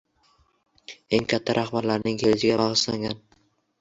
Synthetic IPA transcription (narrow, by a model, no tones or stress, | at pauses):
e̞ŋkʲʰat̪ʰːaɾʔaχbaɾlaɾnɪŋkelɪt͡ʃɪɡʲabɑʁɨʃlaŋɡʲan